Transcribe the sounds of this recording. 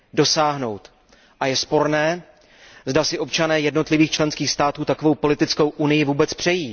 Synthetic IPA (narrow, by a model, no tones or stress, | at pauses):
do̞saːɦno̞wt̪ | ʔajɛspo̞ɾnɛː | zdasɪʔo̞pt͡ʃanɛːjɛdno̞t̪lɪviːxt͡ʃlɛnskiːxst̪aːt̪uːt̪ako̞vo̞wpo̞lɪt̪ɪt͡sko̞wʔunɪjɪvuːbɛt͡spr̝̥ɛjiː